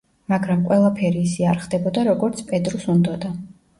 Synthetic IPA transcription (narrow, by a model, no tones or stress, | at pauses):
maɡɾamqʼwɛlˠapʰɛɾiːsiaɾχd̪ɛbɔd̪aɾɔɡɔɾt̪sʰpʼɛd̪ɾusund̪ɔd̪a